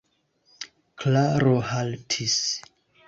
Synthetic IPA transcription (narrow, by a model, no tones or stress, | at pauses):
klaɾohaltʰis